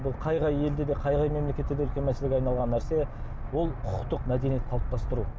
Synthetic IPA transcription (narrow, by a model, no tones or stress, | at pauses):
bʊlˠqʰɑjʁɑje̞ld̪e̞d̪e̞qʰɑjʁɑjme̞mlekʲe̞t̪ːed̪eʏlkʲenmæselɪɡʲɑjnɑlˠʁɑnːæɾse̞ | wo̞lˠqʰʊqt̪əqmæd̪e̞nije̞t̪qʰɑlˠəp̚t̪ɑst̪əɾu